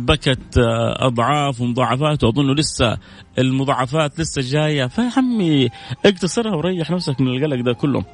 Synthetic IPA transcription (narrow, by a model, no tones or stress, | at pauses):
bakat̪ʔɑ̰d̪ˤʕɑːfwɪmʊðˤɑːʕːɑfaːt̪wʊʕt̪ˤːnːulɪsːa̰ | ʔɪlmʊðˤɑːʕːɑfaːt̪lɪsːad͡ʒaːjafahamːiʔɪɡt̪ɑsɑɾˤhawɾˤɑjːɑħnafsakmɪnɪlɣalaɡd̪aːkʊlːhʊ̰m